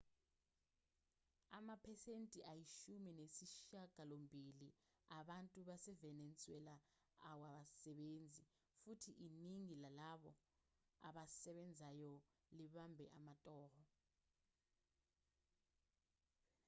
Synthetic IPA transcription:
amapʰɛsentʼiʔajiʃuminesiʃaɡ̥ʱalombʱili | aɓantʼuɓasɛvɛnɛnt͡sʼuwɛlaː | waɓasɛɓend͡zʱi | futʰiʔiniŋilalaɓɔ | a̰ɓasɛɓɛnd͡zʱajɔ | liɓambʱɛ̰ʔamatʼɔːrɔ

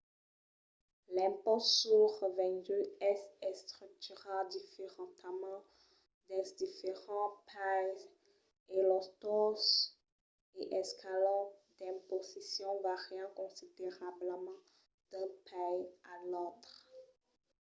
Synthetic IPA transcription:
lɛ̃pɔtsyʁəvɛ̃d̪yɛsɛst̪χyk̚t̪yʁɑ̃d̪ifeʁɑ̃t̪amɑ̃ | d̪ɛsd̪ifeʁɑ̃pʰaj | elɔt̪ɔs | eʔɛskʰalɑ̃d̪̥ɛ̃pozisjɔ̃vaʁjɑ̃kɔ̃sid̪eʁabləmɑ̃ | d̪̥ɛ̃pʰajalot̪χ

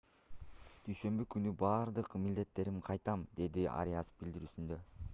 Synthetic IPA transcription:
d̪̥yjʃø̞mbykynybɑːɾd̪ɯqmild̪e̞t̪ːe̞ɾimqʰɑjt̪ɑmd̪e̞d̪ia̰ɾʲijasfbild̪iɾyːsynd̪ø̞

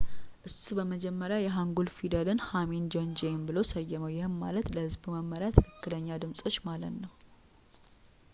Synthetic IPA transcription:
ʔɨsbəməd͡ʒɛmːəɾjajɛɦaŋɡulfid̪əlɨnhamend͡ʒo̞nd͡ʒembɨlo̞səjːəməwjɛhɨnːa̰lət̪ləhɨzbməmːəɾjat̪ʰɨkʰɨkːɨləɲːad̪ɨmsʼo̞t͡ʃːmalət̪nəw

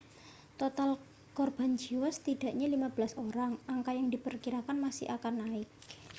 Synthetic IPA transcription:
t̪ot̪al | kɔrb̥a̤nd͡ʒiwast̪id̥a̤ʔɲalimab̥əlasoɾaŋaŋkajaŋdipərkiɾakanmasɪ̰hakanːaɪk̚

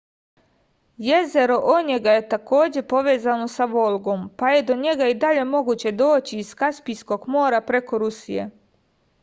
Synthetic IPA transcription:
je̞ze̞ɾo̞ʔoɲeɡaje̞t̪ako̞ːd͡ʑe̞po̞ʋe̞ːzano̞saʋo̞lˠɡo̞mpaje̞d̪o̞ɲe̞ɡaid̪aʎe̞mo̞ɡuːt͡ɕe̞d̪o̞ːt͡ɕiiskaspijsko̞ɡmo̞ːɾapɾe̞ko̞ɾusije̞̰

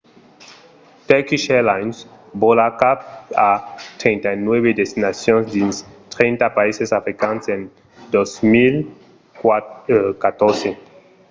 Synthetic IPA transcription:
t̪ɛkiʃɛlajnsbolakap̚at̪ɾẽjnt̪ajnweβed̪est̪inasjõnsd̪ĩnst̪ɾẽjnt̪apaisesafɾikãnsẽn | d̪osmil | kat̪oɾse

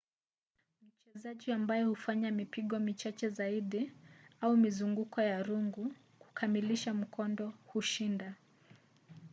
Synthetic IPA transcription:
m̩t͡ʃɛzaʄiambajɔhufaɲamipiɠɔmit͡ʃat͡ʃɛzaiɗiaumizuŋɡukɔjaɾuŋɡu | ku̥kʰamiliʃam̩kʰɔndɔhuʃinda

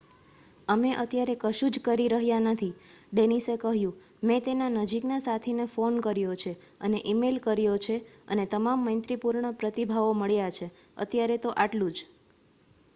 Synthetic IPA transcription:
əmeʔət̪jaɾekəʃũd͡ʒkəɾiɾəɦjanət̪ʰiɖenisekəɦjũ | mẽt̪enanəd͡ʒiknasat̪ʰinefonkəɾjot͡ʃʰe | əneʔimelkəɾjot͡ʃʰeə̰net̪əmamːənt̪ɾipuɾɳəpɾət̪ibʱaʋoməɭjat͡ʃʰe | ə̰t̪jaɾet̪oʔaʈlũd͡ʒ

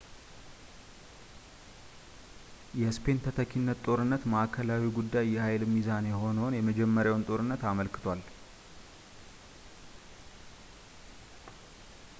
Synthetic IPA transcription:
jɛspʰe̞nt̪ʰət̪ʰəkʰinːət̪t̪ʼo̞ɾɨnːət̪maakʰəlawiɡud̪ːajːɛhajlmizanjɛho̞nəwnjɛməd͡ʒɛmːəɾjawnt̪ʼo̞ɾɨnːət̪aməlkɨ̥t̪ʰwal

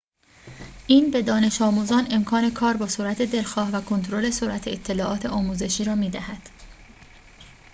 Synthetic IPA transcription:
ʔiːnbe̞d̪ɒːne̞ʃɒːmuːzɒːne̞mkʰɒːne̞kʰɒːɾbɒːsoɾæt̪ʰe̞d̪e̞lxɒːhvækʰont̪oɾole̞soɾʔæt̪ʰeet̪ʰːe̞lɒːʔɒːt̪ʰe̞ɒːmuːze̞ʃiːɾɒːmiːd̪æhæd̪̥

